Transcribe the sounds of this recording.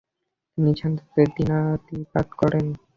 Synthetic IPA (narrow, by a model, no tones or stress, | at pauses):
t̪init͡ɕʰand̪ut̪eɾd̪inat̪ipa̰d̪kɔɾen